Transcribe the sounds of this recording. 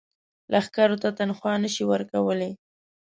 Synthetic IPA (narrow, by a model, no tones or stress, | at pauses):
lʔaxkɑɾot̪at̪anxwɑnəʃiwəɾkawəle